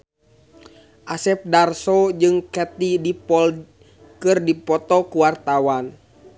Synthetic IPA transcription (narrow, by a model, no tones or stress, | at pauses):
ʔasɛp̚darsɔd͡ʒɨŋkɛt̪idipɔl | kɨrdipɔt̪ɔkuwart̪awan